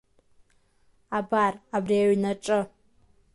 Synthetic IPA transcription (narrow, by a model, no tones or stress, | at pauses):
abaːrabreːwinɐʈ͡ʂʼɐ